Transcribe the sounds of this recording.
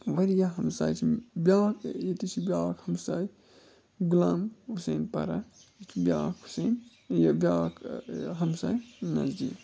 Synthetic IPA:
ʋɐɾijaɦɐmsa̰ːjt͡ʃʰibʲjaːkʰjet̪it͡ʃʰibʲaːkhɐmsaj | ɡulamusenpɐ̰ɾa̰ | it͡ʃʰibʲjaːkʰusen | jbʲjaːkɦɐmsa̰ːjnɐ̰zd̪ḭːk

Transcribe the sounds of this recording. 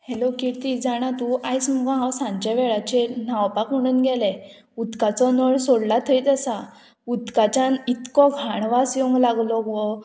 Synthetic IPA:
helokiɽt̪id͡zaɽ̃at̪uʔajsm̤əɡɔ̃ɦãwsãɲt͡ɕaʋɛɭat͡ɕenawpakm̤əɽ̃uːnɡʱɛlɛ | ud̪kat͡sɔnɔɭsoɽlat̪ʰəijt̪asa | ud̪kat͡ɕanit̪kɔɡʱaɳʋasjoŋɡlaɡlɔɡɔ

